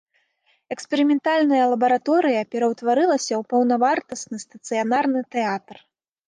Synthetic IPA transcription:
ɛkspʲɛɾɨmʲɛnt̪alʲnɐjɐlˠɐbɐɾat̪ɔɾɨjɐpʲɛɾɐwt̪vaɾɨlˠɐsʲɐwpɐwnɐvart̪ɐst̪nɨst̪ɐt̪sɨjanarnɨt̪ɛat̪r

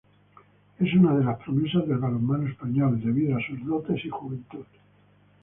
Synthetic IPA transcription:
e̞sunaðe̞laspɾomesazðelβalumːanoespaɲold̪e̞βiðoasuzðot̪e̞sixuβent̪uð

